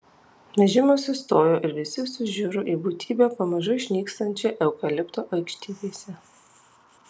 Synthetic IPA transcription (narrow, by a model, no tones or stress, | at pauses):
nʲɛʒʲɪmʲoːsʲɪst̪oːjoːʔɪɾʋʲɪsʲɪsʊʒʲʊɾʊʔiːbuːt̪ʲʰiːbʲeːpɐmɐʒʊɪʃʲnʲiːkst̪ɐnʲt͡ʃʲɛʔɛʊkɐlʲɪpt̪oːʔɐɪkʃʲt̪ʲiːd̪ʲeːsʲɛ